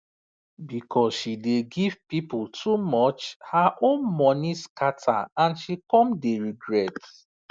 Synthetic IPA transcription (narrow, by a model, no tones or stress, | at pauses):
bikʰɔsʃideɡiv̥pipultʰumɔt͡ʃhaʔõnmɔniskatʰa̰ãnʃikɔ̃mdeɹiɡɹɛt